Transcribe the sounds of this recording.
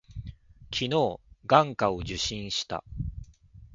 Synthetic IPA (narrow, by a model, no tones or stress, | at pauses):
kʲʰino̞ːɡãŋkao̞ʑɨɕĩɰ̃ɕi̥t̪a̰